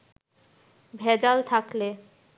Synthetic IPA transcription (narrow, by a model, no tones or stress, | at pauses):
bʱɛd͡ʑalt̪ʰakle